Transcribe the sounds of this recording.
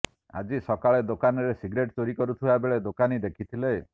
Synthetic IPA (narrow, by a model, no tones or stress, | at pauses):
a̰d͡ʒisɔkaɭed̪okanɔɾesiɡɾeʈ̚t͡ʃoɾikɔɾut̪ʰiwaebeɭed̪okanid̪ekʰit̪ʰile